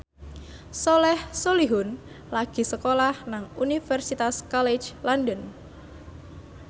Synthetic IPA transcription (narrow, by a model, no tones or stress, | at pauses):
solɛhsoliɦʊn | laɡ̥i̤səkolahnaŋunifɛrsit̪askɔle̥d͡ʒlɔndən